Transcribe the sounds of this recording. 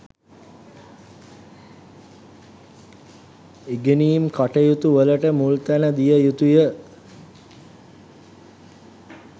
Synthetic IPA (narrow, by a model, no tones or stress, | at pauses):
eɡeniːmkaʈəjut̪uʋələʈəmult̪ænəd̪ijəjut̪ujə